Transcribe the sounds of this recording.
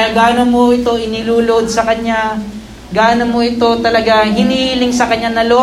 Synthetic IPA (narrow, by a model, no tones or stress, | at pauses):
ɡaːnɐmo̞ʔɪt̪o̞ʔɪnɪluːlod̪̚sɐkɐɲːa | ɡaːnɐmoʔɪt̪o̞t̪ɐlɐɡaɦɪniilɪŋsɐkɐɲːanɐlo